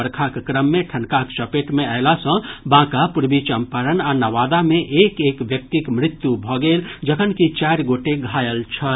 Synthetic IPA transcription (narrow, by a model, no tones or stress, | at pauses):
əɾkʰakkɾəmːẽʈʰənkakt͡ʃəpeʈmeəɪlasə̃bãkapuɾbit͡ʃəmpəɾənanəʋad̪amẽʔekekʋjək̚t̪ikmɾɪt̪jubʱɔɡeld͡ʒəkʰənkit͡ʃaɾɡoʈeɡʱajəlt͡ʃʰə